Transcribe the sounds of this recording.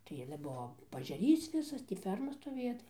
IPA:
tɐɪ ˈɑːlʲɛ ˈbuɔ pɐɐʒʲɛˈrʲiːs ˈʋʲɪsɐs tʲiː ˈfʲɛrmɐ stoːˈʋʲeːjɛ tɐɪ

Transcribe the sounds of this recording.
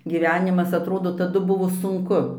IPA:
ɡʲɪˈʋʲæːnʲɪmɐs ɐtˈroːdoː tɐˈdʊ ˈbʊʋoː sʊŋˈkʊ

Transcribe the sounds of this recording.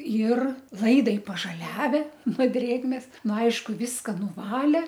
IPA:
ɪr ˈlˠɐɪdɐɪ pɐʒɐˈlʲæːʋʲɛ noː ˈdʲrʲeːɡmʲeːs ˈnʊ ˈɐɪʃkʊ ˈʋʲɪskɐ nʊˈʋɑːlʲeː

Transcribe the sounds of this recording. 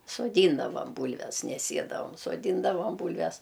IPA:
soːˈdʲiːndɐʋɐm ˈbuːlʲʋʲɛs nʲɛ ˈsʲiɛdɐʋɐm soːˈdʲiːndɐʋɐm ˈbuːlʲʋʲɛs

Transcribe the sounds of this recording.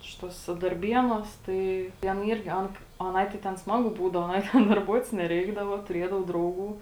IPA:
ˈʃʲɪtuɔsʲɛ dɐrʲˈbʲiɛnuɔs ˈtɐɪ tʲɛn ˈiːrʲɡʲɪ ˈɐn ɐˈnɐɪ tɐɪ tʲɛn ˈsmɑːɡʊ ˈbuːdɐʋoː ɐˈnɐɪ tʲɛn dɐrˈbuɔtʲɪs nʲɛˈrʲɛɪɡdɐʋoː tʊˈrʲiɛdɐʋoː ˈdrɐʊˌɡuː

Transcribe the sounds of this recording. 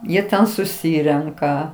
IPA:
ˈjiɛ ˈtʲɛn sʊˈsʲiːrʲɛŋkɐ

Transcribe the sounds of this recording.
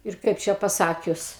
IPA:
ɪr ˈkɐɪp t͡ʃʲɛ pɐˈsɑːkʲʊs

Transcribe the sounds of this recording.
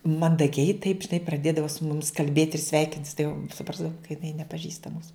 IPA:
mɐndɐˈɡʲɛɪ tɐɪp ʒʲɪˈnɐɪ prɐˈdʲeːdɐʋɐ sʊ ˈmʊmʲɪs kɐlʲˈbʲeːtʲ ɪr ˈsʲʋʲɛɪkʲɪnʲtʲɪs tɐɪ jɛʊ sʊˈprɑːzdɐʋʊm kɐ jɪˈnɐɪ nʲɛpɐˈʒʲiːstɐ ˈmuːsʊ

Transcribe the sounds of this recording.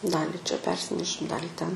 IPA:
ˈdɑːlʲɪ t͡ʃʲɛ ˈpʲɛrʲsʲɪnʲɛʃʲɪm ˈdɑːlʲiː tʲɛn

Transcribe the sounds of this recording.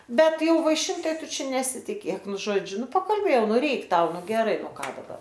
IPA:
ˈbʲɛt ˈjɛʊ ʋɐɪˈʃʲɪnt ˈtɐɪ ˈtʊ ˈt͡ʃʲɛ nʲɛsʲɪtʲɪˈkʲeːk ˈnʊ ˈʒoːd͡ʒʲʊ ˈnʊ pɐkɐlʲˈbʲeːjɛʊ ˈnʊ ˈrʲɛɪk ˈtɐʊ ˈnʊ ɡʲɛˈrɐɪ oː ˈkɑː dɐˈbɐr

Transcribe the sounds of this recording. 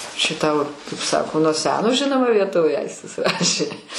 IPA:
t͡ʃʲɛ ˈtɐʊ kɐɪp ˈsɑːkoː nuɔ ˈsʲæːnoː ˈʒʲɪnoːmɐ ʋʲiɛˈtoːʋʲeː ˈɐɪsʲtʲɪs ˈrɑːʃʲeː

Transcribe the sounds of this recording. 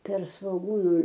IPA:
pʲɛr sʋoːˈɡuːnʊ

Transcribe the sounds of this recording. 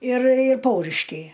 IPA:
ɪr ɪr ˈpɐʊrʲɪʃʲkʲɛɪ

